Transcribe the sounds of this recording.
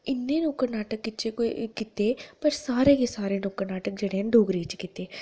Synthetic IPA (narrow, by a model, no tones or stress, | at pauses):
ɪnːeːnũːkəɾnaːʈəkːɪt͡ʃkɪt̪eːpəɾsaːɾeːkeːsaːɾeːnũːkəɾnaːʈək̚d͡ʒeːɽeːnɖoːɡɾiːt͡ʃkɪt̪eː